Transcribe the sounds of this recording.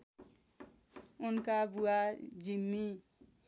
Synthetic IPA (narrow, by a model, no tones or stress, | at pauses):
unkabuad͡ʒimːi